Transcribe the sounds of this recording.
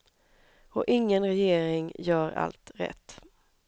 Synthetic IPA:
ɔʔɪŋːənɾɛjeːɾɪŋjœːɾa̰lt̪ɾɛ̰t̪ː

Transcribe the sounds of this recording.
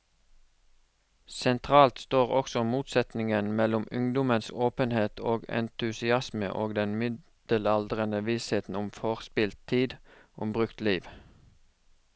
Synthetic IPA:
sɛnt̪ʰʁɑːlt̪st̪oːʁɔksɔmuːt̪sɛt̪nɪŋənmɛlʊmʉŋd̪ʊmənsoːpənheːt̪ʰoːɡɛ̰nt̪ʉsɪɑsmə̰ʔoːɡd̪ɛnmʏ | d̪̥əlɑld̪ʁənəʋiːsheːt̪n̩ʊmfoːʁspɪlt̪t̪ʰiːd̪ʔʊmbʁʉkt̪liːʋ

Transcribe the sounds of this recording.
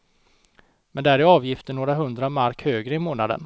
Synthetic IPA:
mɛnd̪ɛæɾɪɑːvjɪft̪əɳoːɾaɦɵnd̪ɾamaɾkhøːɡɾəɪmoːnad̪ə̰n

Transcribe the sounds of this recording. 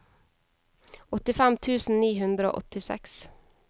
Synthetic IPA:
ɔt̪ɪfæmt̪ʰʉːsn̩niːhʉnd̪ɾəo̰ːʔɔt̪ɪsɛ̰ks

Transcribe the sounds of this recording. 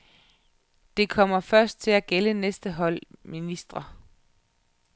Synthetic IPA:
d̥e̝kʰɒ̽m̰ɐfɶɐsd̥̚t͡sʰe̝læɡ̥elənesd̥əɦɒ̽l̰minisd̥ʁɐ

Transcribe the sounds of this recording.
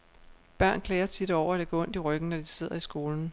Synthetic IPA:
b̥ɶɐ̰nkʰlɛːɐt͡sʰid̥ɒʊ̰ɐæɾ̥æɡ̥oɔn̰d̥iʁœɡ̥n̩nɒd̥ise̝ð̞̰ˠɐisɡ̥o̝ːln̩

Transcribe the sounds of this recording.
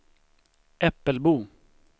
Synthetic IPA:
ʔɛpːəlbuː

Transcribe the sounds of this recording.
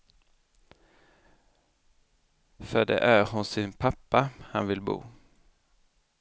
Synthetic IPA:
fœɖɛ̰ʔæɾɦʊnsɪnpʰapːahanvɪlbṵː

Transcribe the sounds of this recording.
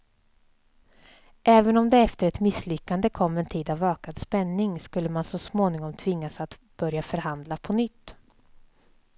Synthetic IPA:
ʔɛːvənɔmd̪ɛɛft̪əɾɛt̪mɪslʏkːand̪əkʰɔmːɛnt̪ʰiːd̪avøːkad̪spɛnːɪŋskɵlːəmansɔsmoːnɪŋɔmt̪ʰvɪŋːasat̪ | b̥œɾjafœɾhand̪lapʰɔnʏt̪ː

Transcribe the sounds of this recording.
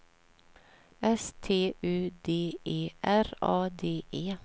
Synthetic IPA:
ɛst̪ʰeːʔʉːd̪eːʔeːʔæɾɑːd̪eːʔeː

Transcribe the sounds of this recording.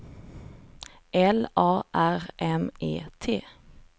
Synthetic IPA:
ʔɛlʔɑːʔæʁʔɛmḛːt̪ʰeː

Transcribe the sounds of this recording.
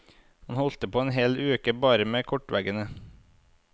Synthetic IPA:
hɑnhɔlt̪əpʰoːeːnɦeːlʉːkəbɑːɾəmeːkʰɔʈʋæɡənə

